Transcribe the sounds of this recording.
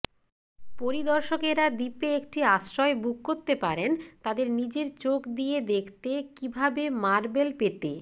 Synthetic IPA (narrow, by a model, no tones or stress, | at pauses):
poɾid̪ɔɾʃokeɾad̪ipeekʈiaʃɾɔebuk̚koɾt̪ːepaɾent̪ad̪eɾnid͡ʑeɾt͡ɕokd̪ijed̪ekʰt̪ekibʱabemaɾbelpet̪e